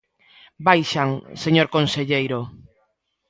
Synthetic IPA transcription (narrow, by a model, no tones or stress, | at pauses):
bajʃaŋseɲoɾkõnseʎejɾo